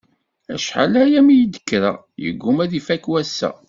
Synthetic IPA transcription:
æ̰ʃħa̰læjæmijəd̪ə̥kːɾa̰ | jə̰ɡːʊmæðifækwæsːæ̰

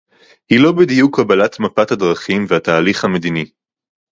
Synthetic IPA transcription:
hilo̞bid̪ijukʰːabalat̪mapathad̪ʁɐχimvehataːliχhamed̪ini

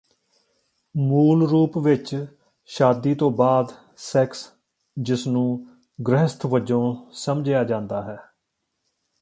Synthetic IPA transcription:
muːlɾuːpʋɪt͡ʃ | ʃaːd̪iːt̪õːbaːd̪ | sɛːks | d͡ʒɪsnũː | ɡɾəɦəst̪ʰʋəd͡ʒõːsəmd͡ʒjaːd͡ʒãːnd̪aːɦɛː

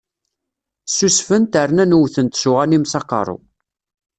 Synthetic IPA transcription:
susfənt̪ərnænuwθənt̪sʊʁænimsɑqːɑ̰ɾˤo̰

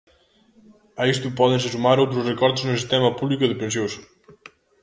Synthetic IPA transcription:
aist̪upɔðensesumaɾowt̪ɾuzrekɔɾt̪znusist̪ɛmɐpuβlikuðepensjos

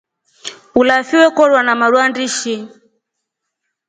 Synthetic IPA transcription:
ulafiwɛkɔɾwanamaɾwandiʃi

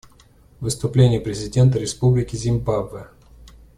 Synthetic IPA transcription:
vɨst̪ʊplʲenʲɪjəpɾʲɪzʲɪdʲe̞nt̪əɾʲɪspublʲɪkʲɪzʲɪmbabvɨ

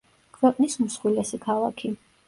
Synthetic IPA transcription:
kʰwɛqʼnismsχwilɛsikʰalˠa̰kʰi

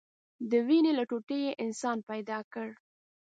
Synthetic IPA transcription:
d̪əwinelaʈoʈejeʔɪnsɑnpajd̪ɑkəɽ

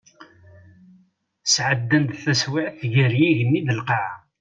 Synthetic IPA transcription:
sʕəd̪ːənd̪θəswiʕθʝəɾjiʝənːiðəlqɑʕ

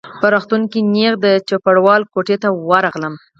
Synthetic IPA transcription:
pəɾɑxt̪uŋkineɣd̪ət͡ʃopaɽwɑlkoʈet̪awaɾɑɣləm

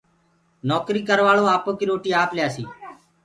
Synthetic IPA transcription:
nɔːkɾiːkəɾʋaːɭoːaːpoːkiːɾoːʈiːaːpljaːsḭː

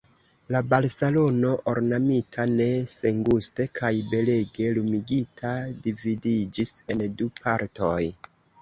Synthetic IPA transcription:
labaɾse̞lo̞no̞ʔoɾnamitʰane̞se̞ŋɡuste̞kʰajbe̞le̞ɡe̞lumiɡitʰadividid͡ʒise̞ndupʰaɾto̞j

